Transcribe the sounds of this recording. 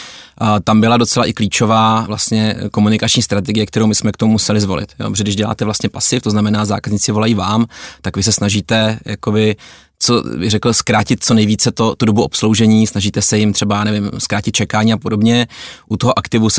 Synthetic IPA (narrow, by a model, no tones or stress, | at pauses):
t̪ambɪlado̞t͡sɛlaʔɪkliːt͡ʃo̞vaːvlast̪ɲɛko̞munɪkat͡ʃɲiːst̪ɾat̪ɛɡɪjɛk̚t̪ɛɾowmɪsmɛkt̪omumusɛlɪzvo̞lɪ̰t̪jo̰pɾoʒɛɡdɪʒɟɛla̰ːt̪ɛvlast̪ɲɛpasɪft̪oznamɛnaːza̰ːkazɲiːt͡sɪvo̞lajiːvaːmt̪akvɪs̬ɛsnaʒiːt̪ɛjako̞bɪ | t͡sobɪɣrɛkl̩skɾaːcɪt̪̚t͡so̞nɛjviːt͡sɛt̪ot̪udobuʔo̞pslo̞wʒɛɲiːsnaʒiːt̪ɛsɛjɪmt̪r̝̥ɛbajaːnɛvɪmskɾaːcɪt̪̚t͡ʃɛkaːɲiːapodo̞bɲɛʔut̪oɦoʔakt̪ɪvus